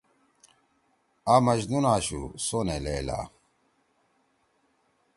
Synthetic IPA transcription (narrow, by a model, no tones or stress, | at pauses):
amɐʑnunaːɕṵsoneleːla̰